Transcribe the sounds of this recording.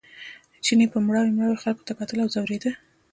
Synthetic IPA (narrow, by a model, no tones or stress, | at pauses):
ət͡ʃinepəmɽɑwemɽɑwexalko̥t̪akɑt̪əlawzawɾed̪ə